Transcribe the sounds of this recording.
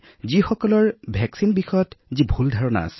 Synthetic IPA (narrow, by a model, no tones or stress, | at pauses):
zixɔkɔlɔɹbʱɛksinbixɔjɔtzibʱuldʱaɹɔna̰a̰sɛ